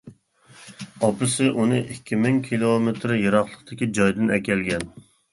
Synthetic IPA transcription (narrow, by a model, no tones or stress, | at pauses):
ɑpɨsɨʔunɨʔikʲʰːimɪŋkʲʰilˠomet̪ɾjeɾɑχlˠəqt̪ʰɪkʲid͡ʒɑjd̪ɨnɛkʲɛlɡʲɛn